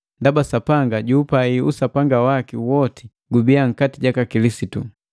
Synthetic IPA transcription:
ndabasapaŋɡaɟuːpaiusapaŋɡawakiwɔti̥ | ɡubiaŋ̩katiɟakakilisitu

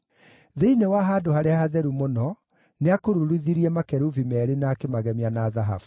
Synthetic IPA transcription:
ðeinewaɦaːdohaɾeahaðɛɾumonɔ | neakoɾuɾuðiɾiɛmakɛɾuvimɛɾenaːkemaɣɛmianaːðaɦa̰vu̥

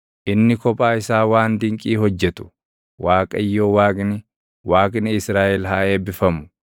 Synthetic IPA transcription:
ʔɪnːɪkɔpʼaːɪsaːwaːnd̪ɪŋkʼiːhɔd͡ʒːɛt̪ʊ̥ | waːkʼɐɪjːo̞ːwaːkʼnɪ | waːkʼnɪɪsɾaːʔɛlɦaːʔe̞ːbɪfɐmʊ̥

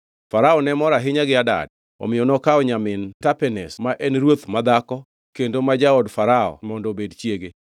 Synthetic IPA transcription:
faɾaɔnɛmɔɾaɦɪɲaɡɪada̰d̚ | ɔ̰mɪjɔnɔkaɔɲamɪntapɛnɛsmaʔɛnɾwot̪mad̪akɔ | kendomad͡ʒaɔdfaɾaɔ̰mɔndɔbedt͡ʃjeɡe

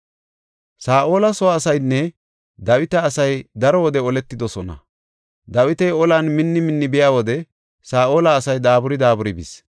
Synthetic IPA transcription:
saːʔo̞ːlɐsɔwaːsɐjnːɛ | d̪ɐwɪt̪ɐːsɐjd̪ɐɾɔwɔd̪ɛɔlɛt̪ːɪd̪ɔsɔnɐ̰ | d̪ɐwɪt̪ɛjɔlanmɪnːɪmɪnːɪbɪjaːwɔd̪ɛ | saːʔo̞ːlɐːsɐjd̪aːbʊɾɪd̪aːbʊɾɪbɪ̰s

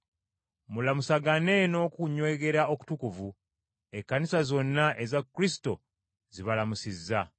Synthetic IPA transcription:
mulamusaɡane̞no̞kuɲwe̞ːɡe̞ɾao̞ku̥tukuvu | e̞kːanisazo̞nːaʔe̞zakːɾisi̥to̞ | ziβalamusizːa

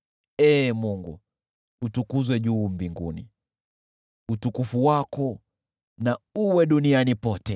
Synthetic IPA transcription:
ɛːmuŋɡu | utukuzwɛʄuːmbiŋɡṵnḭ | utukufuwakɔ | nauwɛɗunianipɔtɛ

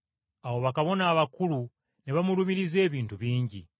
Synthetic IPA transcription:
awo̞βakaβo̞naːβakulu | niβamulumiɾize̞ːβiːntuβiːɲɟḭ

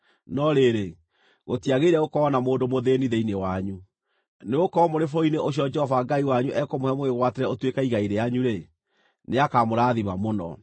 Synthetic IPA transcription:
nɔɾeɾe | ɣotiaɣeɾɛɣokɔːnamoːndomoðeniðeinewaɲu | neokɔmoɾefoineʔoɕ̬iɔd͡ʒɛhɔvaɡaiwaɲuʔɛkomohɛmoeɣwateɾɛotwekaiɣaiɾejaɲuɾe | neakamoɾaːðimamonɔ̰

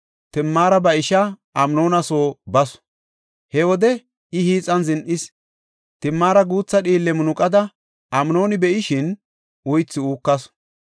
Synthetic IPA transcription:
t̪ɪmːaːɾɐbɐɪʃɐʔɐmno̞ːnɐso̞ːbɐs | hɛwɔd̪ɛ | ɪhiːt͡sʼɐnzɪnʔɪs | t̪ɪmːaːɾɐɡuːt͡sːɐɗiːlːɛmʊnʊkʼɐd̪ɐ | ʔɐmno̞ːnɪbɛʔɪʃɪn | ʔʊjt͡sːɪuːkːɐs

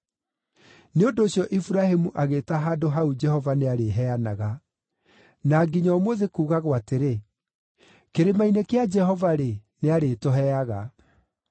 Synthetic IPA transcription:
neondoːɕjɔʔifuɾahemuʔaɣetaɦaːdoɦaud͡ʒɛhɔvaneaɾeɦɛanaɣa | naɡiɲaːmoðekuːɣaɣwateɾe | keɾemainekead͡ʒɛhɔvaɾeneaɾetoɦɛaɣa

